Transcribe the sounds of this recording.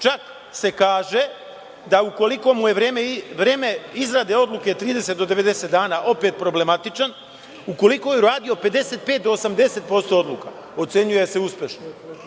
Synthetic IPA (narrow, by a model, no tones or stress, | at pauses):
t͡ʃak | se̞kaːʒe̞ | d̪auko̞liko̞muje̞ʋɾeːmeʋɾe̞ːme̞izɾaːd̪eo̞d̪lˠuke̞t̪ɾiːd̪e̞se̞t̪̚d̪o̞d̪eʋe̞d̪e̞set̪d̪aːnaːʔo̞peːt̪̚pɾo̞ble̞mat̪it͡ʃan | uko̞liko̞jeuɾaːd̪io̞pe̞d̪e̞se̞t̪̚pet̪̚d̪o̞ːsamd̪e̞se̞t̪̚po̞st̪o̞od̪lˠuːka | o̞t̪se̞ɲuje̞se̞uspʲe̞ʃno